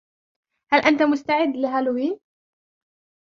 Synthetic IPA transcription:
halʔant̪amʊst̪aʕɪd̪ːlɪɦalʊwiːn

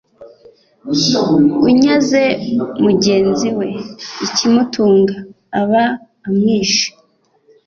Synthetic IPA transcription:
uɲaze̞muɟe̞ːnziwe̞icimutuːŋɡaː | βaː | mŋiːʃi̥

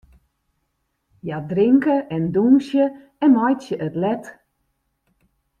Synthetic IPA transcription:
jadrɪŋkəʔɛndunsjə | ɛnmɔjtsjəʔətlɛt

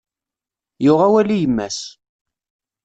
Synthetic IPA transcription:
jʊʁæwælijəmːæ̰s

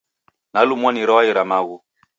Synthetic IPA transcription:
nalumwaniɾɔwaiɾamaɣu

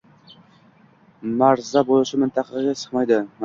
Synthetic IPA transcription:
maɾzabolˠɪʃɪmɪnt̪ʰɑqʰɑɡʲasɨ̥qmɑjd̪ɪm

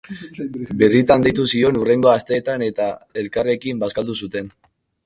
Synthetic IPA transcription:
be̞rit̪and̪ejt̪usio̞nure̞ŋɡo̞ast̪e̞ːt̪ane̞t̪ae̞lkare̞kimbaskald̪usut̪e̞n

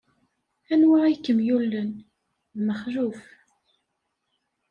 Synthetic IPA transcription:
ænwaikːəmjulːən | ðməχɾuf

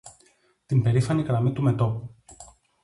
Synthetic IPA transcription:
t̪imbe̞ɾifɐniɣɾɐmit̪ume̞t̪o̞pu

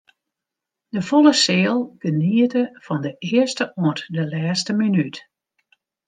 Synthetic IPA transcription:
d̥əfolˠəsɪːlˠɡ̥əniətəv̥ɔndəʔɪəstəʔoətdəlɛːstəminyt

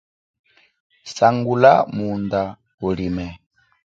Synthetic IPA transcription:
saŋɡulamund̪a | ulimɛ

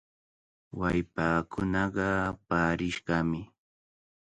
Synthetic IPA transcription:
wajpaːkʰʊnɑɢɑpaːɾɪʃɢɑmɪ

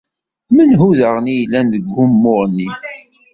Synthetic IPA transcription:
mənɦuðəʁnijlːænðəɡːʊmːʊɾˤnːi

